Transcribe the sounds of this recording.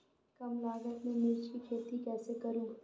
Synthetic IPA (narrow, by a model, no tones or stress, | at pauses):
kɐmlaːɡət̪mẽnɪːd͡ʒkikʰeːt̪ikɛːsekɐɾũːɡ